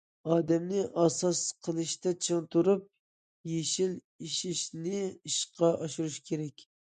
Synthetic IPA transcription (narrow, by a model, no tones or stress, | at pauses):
ɑːd̪ɛmnɪʔɑsɑsqʰəlˠɨʃt̪ɛt͡ʃʰəŋt̪ʰuɾup̚ | jeʃil | iʃiʃnɪiʃqʰɑʔɑʃuɾuʃkʲʰeɾɛkʲ